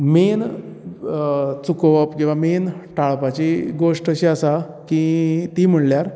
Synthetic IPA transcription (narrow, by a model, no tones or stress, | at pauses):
men | t͡sukʋəpkĩw̃ʋamenʈʰaɭpat͡ɕiɡoʂʈəɕiasa | kit̪im̤əɳljaɾ